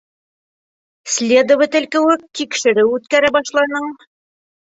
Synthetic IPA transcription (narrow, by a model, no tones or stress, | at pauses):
slʲed̪ŏvɘt̪ɘ̆lkɘ̆wɘt̪ikʃɘ̆ɾɘwʉt̪kæɾæbɑʃlˠɑnɤɴ